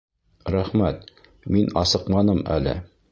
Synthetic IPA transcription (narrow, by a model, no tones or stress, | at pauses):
ɾæχmæt̪ | minɑsɤqmɑnɤmæ̰lɘ̰